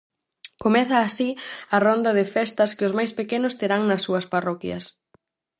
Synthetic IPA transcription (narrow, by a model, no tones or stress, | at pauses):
komɛθɐːsiɐrɔnd̪ɐðɪfɛst̪ɐskɪʊzmajspekenʊst̪eɾaŋnɐsːuɐsparɔkjɐ̰s